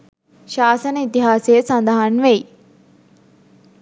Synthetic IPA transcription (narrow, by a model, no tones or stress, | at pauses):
ʃaːsənəit̪iɦaːsejəsand̪əɦanʋej